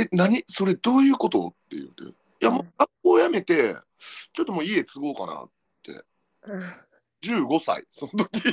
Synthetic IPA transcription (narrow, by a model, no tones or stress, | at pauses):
enaɲ̟iso̞ɾe̞d̪o̞ːjɯ̟ːko̞t̪o̞̰t̪ːe̞̰jɯ̟̰t̪ːe | jamoɡapoːjame̞t̪e̞ | t͡ɕo̞t̪ːomoːie̞t͡sɨɡo̞ːkana̰ | t̪ʰːe̞̰ | d͡ʑɨːɡo̞sa̰ḭso̞not̪okʲi